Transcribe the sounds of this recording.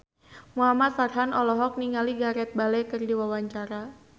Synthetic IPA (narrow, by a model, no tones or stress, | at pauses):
muɦamat̪̚farɦanɔlɔɦɔk̚niŋaliɡaɾɛt̪̚balɛkɨrdiwawaɲt͡ʃaɾa